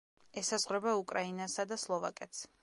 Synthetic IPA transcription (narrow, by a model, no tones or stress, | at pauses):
ɛsazʁvɾɛbaukʼɾainasad̪aslˠɔva̰kʼɛt̪s